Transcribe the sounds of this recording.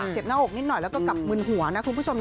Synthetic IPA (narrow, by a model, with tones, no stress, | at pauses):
t͡ɕe˨˩p̚naː˧˥ʔoː˨˩k̚ni˦˥t̚nɔ˨˩jlɛː˨˧˩kɔː˧˩ka˨˩p̚mɨ˧ŋhu˨˩˦əna˧˦˥kʰːu˧˥t͡ɕʰo˧m